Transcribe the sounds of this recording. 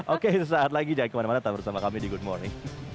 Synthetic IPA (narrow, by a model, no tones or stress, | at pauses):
ʔoket̪us̬aat̪̚laɡid͡ʒaikəmanamanat̪ambəɾsamakamidiɡʊd̚mɔɾnɪŋ